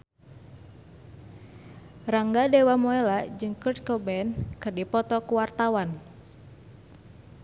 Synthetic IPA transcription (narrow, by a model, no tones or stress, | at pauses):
raŋɡadewamɔelad͡ʒɨŋkərt̪̚kɔbɛnkɨrdipɔt̪ɔkuwart̪awan